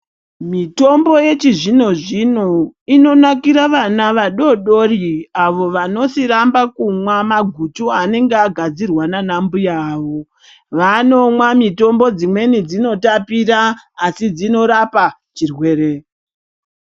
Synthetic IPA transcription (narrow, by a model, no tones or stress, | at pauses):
mito̞mbo̞je̞t͡ʃiʐino̞ʐinoino̞nakiɾaʋanaʋaɗo̞ɗo̞riaʋo̞ʋano̞siɾambakumwamaɡʱutuane̞ŋɡeaɡʱad͡zirwananambujaːʋo̞ | ʋano̞mwamito̞mbo̞d͡zimwe̞nid͡zino̞tapiɾaːsid͡zino̞ɾapa | t͡ʃirwe̞ːɾe